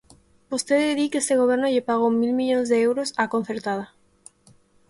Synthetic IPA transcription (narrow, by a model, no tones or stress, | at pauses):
bost̪eðeðikest̪eɣ̞oβ̞eɾnoʎepaɣ̞omilmiʎonzðeewɾosakon̟θeɾt̪að̞a